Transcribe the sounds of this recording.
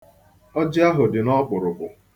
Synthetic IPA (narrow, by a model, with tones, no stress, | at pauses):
ɔ˦d͡ʒɪ˦a˦ɦʊ˨dɪ˨nɔ˦k͡pʊ˨ɾʊ˨bʊ˨